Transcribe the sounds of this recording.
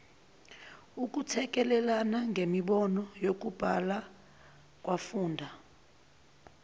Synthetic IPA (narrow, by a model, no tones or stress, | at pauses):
uk̬ʼutʰɛk̬ʼɛlɛlanaŋɡʱemiɓɔnɔjok̬ub̥ʱala | k̬ʼwafuːndʱa